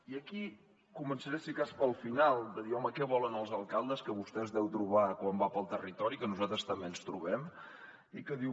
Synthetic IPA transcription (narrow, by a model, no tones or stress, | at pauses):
iəki | kumənsəɾesikaspəlˠfinalˠd̪əðiɔməkɛβɔlənəlˠzəlˠkalˠd̪əskəβust̪ɛzðɛwt̪ɾuβakwambapəlˠt̪ərit̪ɔɾikənuzat̪ɾəst̪əmbeənst̪ɾuβɛm | ikəði